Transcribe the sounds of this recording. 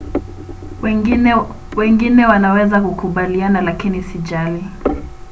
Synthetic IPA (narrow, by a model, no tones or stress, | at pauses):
wɛŋɡinɛwanawɛzakukuɓalianalakinisid͡ʒali